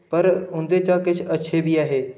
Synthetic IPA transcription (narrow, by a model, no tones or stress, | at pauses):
pɐɾʊ̃nd̪et̪ãkɪt͡ʃʰɐtːʃʰebʱiaːɦeː